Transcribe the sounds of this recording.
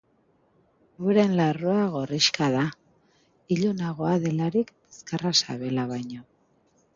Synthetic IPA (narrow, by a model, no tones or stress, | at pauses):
ueɾenlaroaɣ̞o̞riʃkaða | iʎonaɣoaðe̞laɾik | eskarasa̰βe̞laβajɲo